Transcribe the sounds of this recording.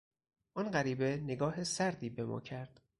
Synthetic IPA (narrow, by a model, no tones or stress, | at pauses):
ʔɒnɢæɾiːbe̞ne̞ɡɒːɦesæɾd̪iːbe̞mɒ̰ːcʰæɾd̪̥